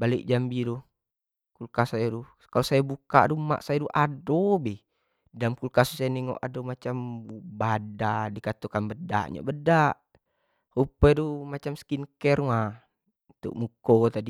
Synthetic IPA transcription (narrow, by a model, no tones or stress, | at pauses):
balik̚d͡ʒambiɾɔ | kulkasajadu | kalɔsajabuka̰duma̰ʔsajaduʔadɔbɛ | damkulkasusajanɛŋɔ̰ʔa̰dɔmat͡ʃambubadadikat̪ukanbəda̰ʔɲɔ̰bədaʔ | hupɛdumat͡ʃamskinkɛrma | t̪ṵʔmukɔt̪adi